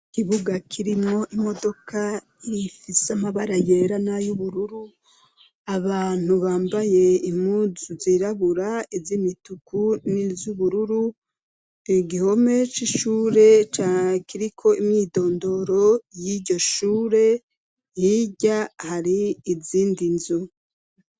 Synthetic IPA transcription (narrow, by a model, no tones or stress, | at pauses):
kiβuɡakʰiɾimŋo̞ʔimo̞do̞kʰa | iifiseamaβaɾajeɾanajuβuɾuɾu | aβaːn̥huβaːmbaje̞imuzuziɾaβuɾaizimitukunizuβuɾuɾu | ɡiho̞me̞t͡ʃiʃuːɾe̞t͡ʃakiɾikʰo̞imɲiːdo̞ːndo̞ɾo̞jiɟo̞ʃuːɾe̞ | jiɟahaɾiːziːndinzu